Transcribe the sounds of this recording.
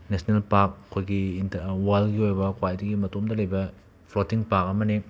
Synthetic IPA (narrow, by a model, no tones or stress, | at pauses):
nesnelpak̚kʰːojɡiːntwalɡiojbɐkwajdɐɡimɐtomdɐlɐjbɐ | pʰlotiŋpak̚ɐmɐni